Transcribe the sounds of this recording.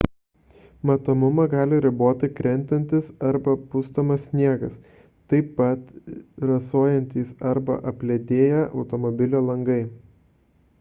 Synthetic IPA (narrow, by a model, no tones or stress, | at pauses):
mɐt̪oːmʊmɐɡɑːlʲɪɾʲɪboːt̪ʲɪkɾʲɛnʲt̪ʲɛnʲt̪ʲɪsɐɾbɐpʊst̪oːmɐsʲsʲnʲiɛɡɐs | t̪ɐɪpːɐt̪ɾɐsoːjɛnʲt̪ʲiːsɐɾbɐ̰ʔɐpʲlʲɛd̪ʲeːjɛʔɒʊt̪ɔmɔbʲɪlʲoːlˠɐŋɡɐɪ